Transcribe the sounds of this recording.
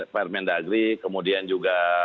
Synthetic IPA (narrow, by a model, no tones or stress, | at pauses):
pɛrmɛndaɡɾikəmudiand͡ʒuɡa